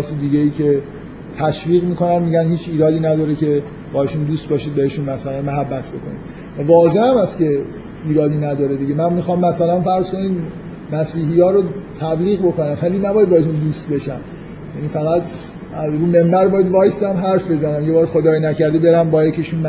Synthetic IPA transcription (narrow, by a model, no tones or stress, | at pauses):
t̪ʰid̪iːɟejiːcʰe | t̪ʰæʃviːɣmiːko̞nænmiːɟænhiːt͡ʃʰiːɾɒːd̪iːnæd̪ɒːɾecʰe̞ | b̥ɒːhe̞ʃund̪uːst̪̚bɒːʃiːd̪̚be̞he̞ʃunmæsælænmæɦæbːæt̪ʰbo̞̰kʰo̞nḭd̪ | vævɒːze̞hæmæsce̞ | iːɾɒːd̪iːnæd̪ɒːɾed̪iɟemænmixɒmːæsælænfæɾz̥ko̞niːd̪ | mæsiːɦijɒːɾot̪ʰæbliːɣbo̞ko̞næmvæliːnæbɒːjæd̪̚bɒːheʃund̪uːst̪̚be̞ʃæm | jæniːfæɣæd̪ | æzɾuːme̞mbæɾbɒːjæd̪vɒːjsæmɦæɾfbe̞zænæmje̞bɒːɾxod̪ɒːjinæcæɾd̪ibe̞ɾæmbɒːjæcʰeʃunm